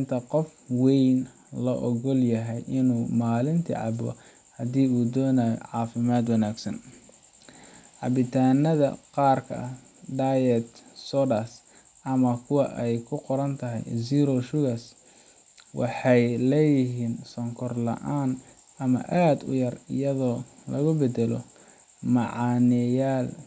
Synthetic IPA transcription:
nt̪ʰɐqɔfwɛjn | lɔʔɔɣɔljɐɦɛjʔɪnuːmaːlɪnt̪ʰḭʕɑ̰bɔ̰ | hɐd̪iːuːd̪ɔːnaːjɔ̰ʕɑːfɪmaːd̪wɑnaːɡsɐ̰n | ʕɑbɪt̪ʰaːnɐðɐ̰qɑːrkʰɐ̰ʔɐ | d̪ajɛt̪sɔdɐs | ʔɐmɐkʰʊwɑʔɛjkʰʊqɔɾɐnt̪ʰɐɦɛ̰jsiːɾɔʃʊɣɐs | wɑ̰ħɑjlɛjɪɦiːnsɔŋkʰɔrlɐ̰ʔaːn | ʔɐmɐ̰ʔaːd̪ʊ̰jɐrɪ̰jɐðɔːlɐɣʊbɛd̪ɛlɔ̰ | mɑʕɑːnɛjaːl

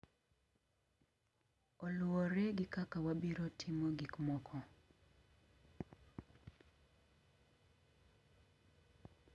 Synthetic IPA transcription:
ɔlʊɔɾeɡɪkakawabiɾotʰɪmɔɡikmɔkʰɔ

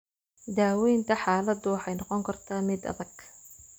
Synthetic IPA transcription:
d̪aːwɛjnt̪ʰɐħaːlɐd̪ʊwɑħɑjnɑqɔŋkʰɐrt̪ʰaːmɪd̪ɐ̰ðɐɡ̥

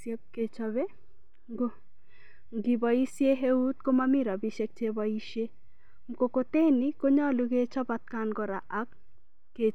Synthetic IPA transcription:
sjɛp̚ket͡ʃɔβe | ɡo | ŋɡibɔisjeɦeut̪̚komamiɾabiʃek̚t͡ʃebɔiʃe | mkokot̪enikoɲɔluɡet͡ʃɔbat̪̚kanɡɔɾaʔakː | e

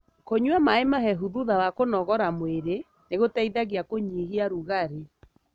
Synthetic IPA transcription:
koɲwamaemaɦɛɦuðuðawakonɔɣɔɾamweɾe | neɣotaiðaɣiakoɲiɦiaɾuɣaɾe

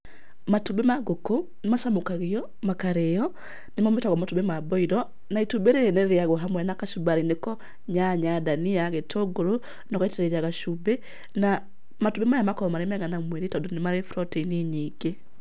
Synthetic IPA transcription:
matubemaɡoko | nemasamokaɣiɔ | makaɾejɔ | nemametaɣɔmatubemabɔiɾɔ | naitubeɾeenɛɾeaɣɔɦamwɛnakaʃubaɾinekɔ | ɲaɲadaniaɣetʰoɡoɾo | nɔkaitɛɾɛjaɣaʃube | na | matubemajamakɔmaɾemɛŋanamweɾitɔdɔnemaɾefɾɔteiniɲiɡe

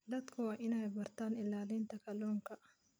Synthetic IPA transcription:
d̪ɐt̪kʰʊwaʔɪnaːjbɐɾt̪aːnɪlaːliːnt̪ɐkʰɐlɔːŋkʰɐʔ

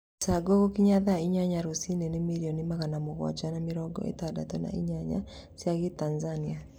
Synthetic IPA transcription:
saɡoɣokiɲaðaiɲaɲaɾosinenemiɾiɔnimaɣanamoɣwɔ̰d͡ʒanameɾɔɡɔ̰ʔḛtada̰tɔna̰ʔḭɲaɲa̰ | sijaɣetanzania

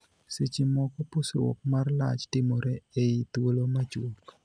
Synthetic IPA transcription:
set͡ʃimɔkɔposowɔ̰k̚marla̰t͡ʃtɪmɔɾɛeit̪wolomat͡ʃwok

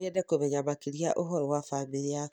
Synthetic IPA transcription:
ɛdɛkomɛɲamakiɾiaʔoɦɔɾɔwafamiɾia

